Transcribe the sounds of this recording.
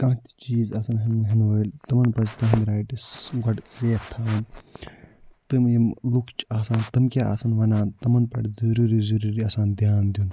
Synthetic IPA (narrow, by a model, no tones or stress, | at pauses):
kɐ̃ɦt̪ʲt͡ʃiːzɐsɐnɦɐnɦɐnʋɐlʲt̪ɐmɐnpɐt͡ʃt̪ɐɦɐnd̪ʲɾaːjʈisɡɐɖseːpt̪ʰːaːɐn | t̪ɨmjimlukʰt͡ʃaːsaːnt̪ɐmkʲaʔa̰ːsɐnʋɐnaːnt̪ɐmɐnpɐ̰ɽzɐɾuːɾizɐɾuɾiɐsaːnd̪jaːnd̪ʲun